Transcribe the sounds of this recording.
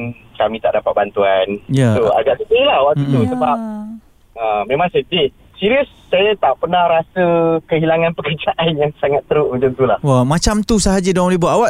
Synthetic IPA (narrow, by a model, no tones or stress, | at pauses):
kamĩt̪aʔdapat̪̚bant̪uanjaua̰ɡaʔsit̪ilahwaʔtuusəbap̚ | əmẽmãŋsət̪iʔ | siɾiəsːajat̪aʔpənahɾasəkəɦilaŋanpəkərd͡ʒaʔanjaŋsaŋat̪ːəɾʊʔməɲt͡ʃamt̪ulahwamãt͡ʃamt̪usaɦad͡ʒidoaŋlibuaʔawaʔ